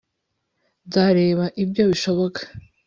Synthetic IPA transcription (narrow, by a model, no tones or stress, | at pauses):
zaɾe̞ːβaʔibɟo̞βiʃo̞βo̞kʰḁ